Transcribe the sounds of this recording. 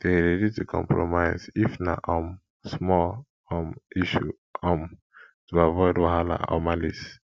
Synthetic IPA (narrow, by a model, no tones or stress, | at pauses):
d̥eɾɛditukʰɔ̰̃mpɹomaɪzifna̰ʔɔm | smɔl | ɔmiʃu | ɔm | tuavɔjdwaɦala̰ɔ̰malis